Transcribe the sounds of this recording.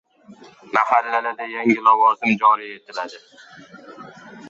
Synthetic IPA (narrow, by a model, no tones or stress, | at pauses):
mahalːalad̪ajaŋɪlɒvɒzɪmd͡ʒɒlije̞t̪ʰɪlad̪ɪ